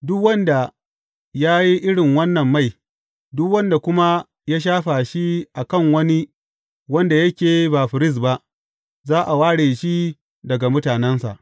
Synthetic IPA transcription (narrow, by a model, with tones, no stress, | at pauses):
dʊ˦kwɐ˦nda˨ | jaː˦ji˦ʔɪ˦ɽɪ˨ŋwɐ˦nːɐ˨mːa˦˨j | dʊ˦kwɐ˦nda˨kʷʊ˦ma˦ | jaː˦ʃ̬aː˦ɸa˨ʃi˦ʔa˨kɐ˦˨ŋwɐ˦ni˦ | wɐ˦nda˨jɐ˦kʲeː˨ba˨ɸɪ˨ɾɪ˦˨s̬ba˦ʔ | zaː˦ʔa˨waː˦ɽeː˨ʃi˦ | dɐ˨ɡa˨mʊ˦taː˨nɛ˦nsa̰˨ʔ